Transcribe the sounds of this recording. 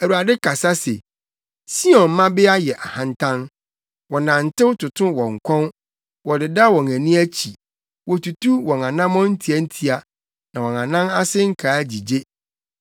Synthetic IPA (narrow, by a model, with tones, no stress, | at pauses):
æ˨wu˨a˨dɪ˦kʰa˨sa˦sḛ˨ | si˦ɔ̃˨m˨˦mã˦bɪ˦a˦jɛ˨ʔa˨hã˨ntʰã˦n | wɔ˨nã˨n̩˨tɪ˦wtʰʊ˨tʰʊ̃˦wɔ̃˨ŋ̩˨kʷʰɔ̃˦n | wɔ˨dɪ˨da˦wɔ̃˨ŋæ̃˨nĩ˦æ˦t͡ɕʰi˨ | wɔ˨tu˨tu˦wɔ̃˨ŋã˨nã˦mɔ̃˦n̩˦tʰi˨˦æ˦n̩˦tʰi˦a˨ | nã˨wɔ̃˨ŋã˨nã˦na˦sɪ˦ŋ̩˦kʰaː˨˦d͡ʑi˨d͡ʑe˦